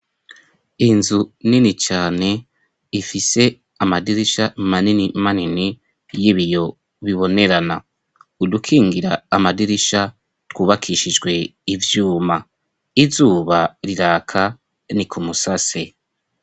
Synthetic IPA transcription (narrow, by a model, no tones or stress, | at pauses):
inzuninit͡ʃaːne̞ | ifise̞ | amadiɾiʃamaninimanini | jiβijo̞ | βiβo̞ne̞ɾana̰ | udukʰiːŋɡiɾaːmadiɾiʃa | twuːβakʰiʃid͡ʒɡwe̞ivjuːma | izuːβaɾiɾaːkʰa | nikʰumusase